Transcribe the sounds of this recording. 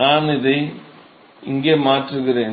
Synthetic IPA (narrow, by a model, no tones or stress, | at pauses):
aːnɪðɐɪ | ɪŋɡeːmaːʈrɯɣɪɾeːn